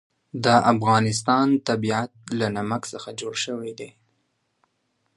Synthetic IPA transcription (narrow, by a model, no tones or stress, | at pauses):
d̪əʔafɣɑnɪst̪ɑnt̪abiat̪̚lanamaksəxad͡ʒoɽʃəwed̪e